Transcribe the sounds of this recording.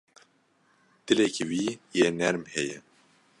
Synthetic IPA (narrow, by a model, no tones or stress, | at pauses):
d̪̥ɨlekiwiːjeːnɛɾmhɛjɛ